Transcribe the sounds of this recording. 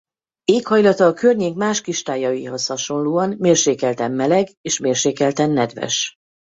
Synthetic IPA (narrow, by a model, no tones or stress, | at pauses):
eːkhɒjlɒt̪ɒːkørɲeːkmaːʃkiʃt̪aːjɒjiɦo̞shɒʃo̞nluːɒnmeːrʃeːkɛlt̪ɛmːɛlɛɡeːʃmeːrʃeːkɛlt̪ɛnːɛd̪ʋɛ̰ʃ